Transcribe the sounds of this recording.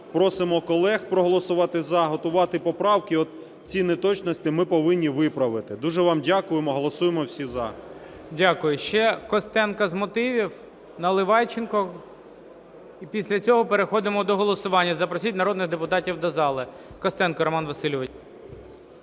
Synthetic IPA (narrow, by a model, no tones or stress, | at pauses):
pɾɔsɪmɔkɔlˠɛxpɾɔɦɔlˠɔsʊʋɑt̪ɪzɐɦɔt̪ʊʋɑt̪ɪpɔpɾɑwkiɔt̪ | t͡sʲinɛt̪ɔt͡ʃnɔsʲt̪ʲɪmɪpɔʋɪnʲːiʋɪpɾɐʋɪt̪ɪd̪uʒɛʋɑmdʲakʊjemɔɦɔlˠɔsujemɔwsʲizɐ | dʲakʊjʊʃt͡ʃɛkɔst̪ɛnkɐzmɔt̪ɪʋʲiw | nɐlˠɪʋɑjt͡ʃɪnkɔ | ipʲisʲlʲɐt͡sʲɔɦɔpeɾexɔd̪ɪmɔd̪ɔɦɔlˠɔsʊʋɑnʲːɐzɐpɾɔsʲit̚ʲnɐɾɔd̪nɪxd̪epʊt̪ɑtʲiwd̪ɐzɑlˠɪ | kɔst̪ɛnkɐɾɔmɑnʋɐsɪlʲɪʋɪ